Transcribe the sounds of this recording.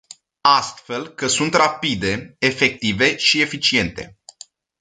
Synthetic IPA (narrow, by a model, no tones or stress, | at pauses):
ast̪fe̞lkəsunt̪rapid̪e̞efe̞k̚t̪ive̞ʃie̞fit͡ʃie̞nt̪e̞̰